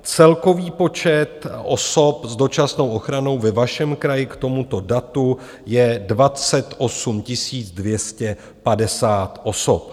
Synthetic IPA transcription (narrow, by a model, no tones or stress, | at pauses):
t͡sɛlko̞viːpo̞t͡ʃɛt̪ʔo̰so̞pzdo̞t͡ʃasno̞wʔo̞xɾanowvɛvaʃɛmkɾajɪkt̪o̞mut̪o̞dat̪u | jɛdvat͡sɛt̪ʔo̞sumcɪsiːt͡sdvjɛscɛ | padɛsaːt̪ʔo̞sop̚